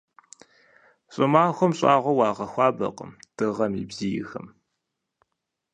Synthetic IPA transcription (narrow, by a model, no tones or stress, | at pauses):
ɕʼɨmaːxʷɔmɕʼɑːʁʷɐwɑːʁɐxʷɑːbɐ̰qʼə̰md̥ɨʁɐmḭbzijɪ̰xɐ̰m